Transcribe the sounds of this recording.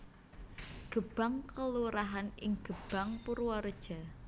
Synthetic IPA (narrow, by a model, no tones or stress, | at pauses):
ɡ̥ə̤b̥a̤ŋkəluɾaɦanɪŋɡ̥ə̤b̥a̤ŋpuɾwɔɾəd̥ʒ̥a̤